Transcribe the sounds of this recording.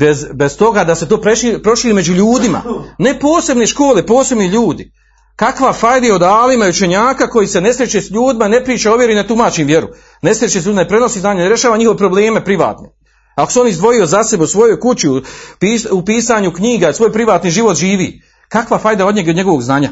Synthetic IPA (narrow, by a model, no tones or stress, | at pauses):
bezbest̪o̞ɡad̪ase̞t̪o̞ːpɾeʃiipɾo̞ʃiːɾime̞d͡ʑuʎuːd̪ima̰ne̞po̞ːse̞bneʃko̞ːle̞po̞ːse̞bniʎuːd̪i | kakʋafajd̪eo̞d̪aːlimajut͡ʃe̞ɲaːkako̞jise̞ne̞sɾjet͡ɕesʎuːd̪imane̞pɾiːt͡ʃaoʋjeɾinet̪umaːt͡ɕiːmʋje̞ɾṵ | ne̞sɾjet͡ʃeseuːd̪imanpɾe̞no̞siːznaːɲanɾjeʃaːʋaɲixo̞ʋepɾo̞ble̞ːme̞pɾiʋa̰ːt̪ne | akoseo̞nizd̪ʋo̞jio̞zasebeusʋo̞jo̞jkut͡ɕiupiːupiːsaːɲukɲiːɡasʋo̞ːjpɾiʋaːt̪niʒiʋo̞t̪ʒiːʋḭː | kakʋafajd̪aod̪ɲeɡeod̪ɲe̞ɡo̞ʋo̞ɡznaːɲa